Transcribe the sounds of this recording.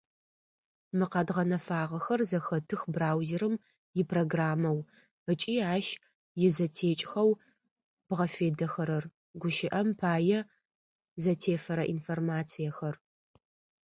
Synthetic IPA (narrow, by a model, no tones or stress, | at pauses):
mɨqɐdʁɐnɐfaːʁɐxɐrzɐxɐtʰɨxbraːwzeɾɨm | jɪpʰroːɡraːmɐw | ət͡ʃʼiːaːʃ | jɪzɐtʰeːt͡ʃʼxɐw | b̥ʁɐfeːdɐxɐɾɐr | ɡʷʊʃɪʔɐmpʰaːjɛ | zɐtʰeːfɐɾɐʔinformaːt͡sʰijɐxɐr